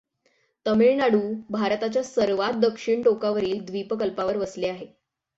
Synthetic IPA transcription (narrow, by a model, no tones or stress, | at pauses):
t̪əmiɭnaɽuːbʱaɾt̪at͡ɕjasəɾʋat̪̚d̪əkʂiɳʈokaʋəɾiːld̪ʋipəkəlpaʋəɾʋəsleaɦe